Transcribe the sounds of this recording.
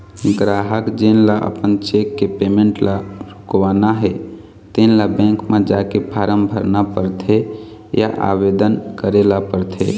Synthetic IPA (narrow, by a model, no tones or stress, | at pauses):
ɡɾaɦəkd͡ʒenlaʔə̰pənt͡ʃekːepemẽɳʈlaɾukʋanaɦe | t̪enlabɛ̃ŋkmẽd͡ʒakepʰaɾəmbʱəɾnapəɾt̪ʰe | ja̰ʔa̰bed̪ənkəɾelapəɾt̪ʰḛ